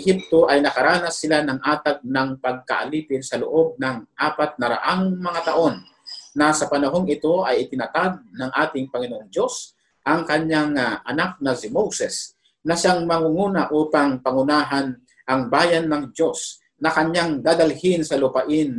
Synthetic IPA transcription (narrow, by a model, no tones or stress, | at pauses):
ɪhɪp̚t̪o̞ʔɐjnɐkɐɾaːnɐsɪlanɐŋʔaːt̪aɡ̚nɐŋpɐɡ̚ka̰ʔɐliːpɪnsɐloʔo̞b̚nɐŋʔaːpat̪̚nɐɾa̰ʔaŋmɐŋat̪ɐʔo̞nː | ɐsɐpɐnɐɦo̞ŋɪt̪o̞ʔɐjɪt̪ɪnɐt̪ad̪̚nɐŋʔaːt̪ɪŋpɐŋɪnoʔoŋd̪o̞s | ʔɐŋkɐɲːaŋʔɐnak̚nɐsɪmowsɛs | nɐʃaŋmɐŋuŋuːnɐʔuːpaŋpɐŋʊnaːɦan | ʔɐŋbaːjanːɐŋdo̞s | nɐkɐɲaŋd̪aːd̪ɐlhɪnsɐlʊpaʔɪn